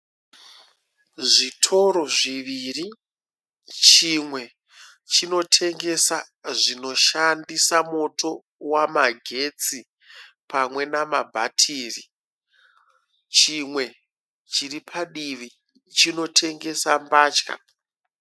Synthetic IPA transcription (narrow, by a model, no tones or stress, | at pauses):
ʐitʰo̞ɾo̞ʐiʋiri | t͡ʃimwe̞ | t͡ʃino̞tʰe̞ŋɡe̞sa | ʐino̞ʃandisamo̞tʰo̞ | wamaɡʱe̞t͡si | pamwe̞namabʱa̰tʰiːri | t͡ʃimwe̞ | t͡ʃiripʰaɗiʋi | t͡ʃino̞tʰe̞ŋɡe̞sambaːt͡ʃka̰